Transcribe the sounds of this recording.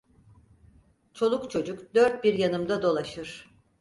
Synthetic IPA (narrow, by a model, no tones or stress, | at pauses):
t͡ʃʰo̞lˠukt͡ʃʰo̞d͡ʒukd̪øɾt̪̚biɾjanɯmd̪ad̪o̞lˠaʃɯɾ̥